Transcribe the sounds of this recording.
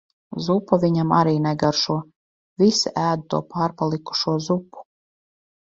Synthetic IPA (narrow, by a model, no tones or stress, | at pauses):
zupːavʲiɲama̰ɾiːnɛɡaɾʃuɔ | vʲisiʔæːd̪ut̪ṵɔpaːɾpalˠiku̥ʃuɔzupːu̥